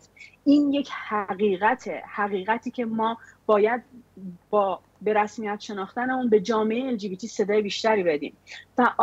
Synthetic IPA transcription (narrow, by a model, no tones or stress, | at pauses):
iːnje̞cʰhæɣiːɣæt̪ʰehæɣiːɣæt̪ʰiːcʰe̞mɒːb̥ɒːjæd̪̚bɒː | be̞ɾæsmijæt̪ʃe̞nɒːχt̪æneunbe̞d͡ʒɒːmeejeeld͡ʒiːbit̪ʰiːse̞d̪ɒːjebiːʃt̪æɾiːbe̞d̪ḭːmvæʔ